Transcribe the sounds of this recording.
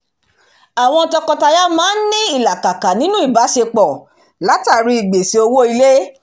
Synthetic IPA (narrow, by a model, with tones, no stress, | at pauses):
a˨w̃ɔ̃˧tɔ˧kɔ˧ta˧ja˦mãː˨˦n̩˦nĩ˦i˦˨la˨ka˨ka˨nĩ˨˦nũ˦i˦˨ba˨˦ʃe˧k͡pɔ˨ | la˨˦ta˦˨ɾi˧i˨ɡ͡be˨se˨˧o˧wo˦i˧le˦